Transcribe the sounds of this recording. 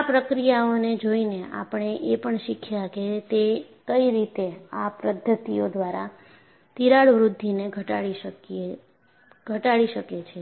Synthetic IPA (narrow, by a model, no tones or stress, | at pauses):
apɾəkɾijaoned͡ʒoineʔa̰pɳ̃eʔepəɳʃikʰjaket̪e | kəiɾit̪eapɾəd̪ʱːət̪iod̪ʋaɾa | t̪iɾaɭʋɾud̪ʱːineɡʱəʈaɭiʃəke | ɡʱəʈaɭiʃəket͡ʃʰe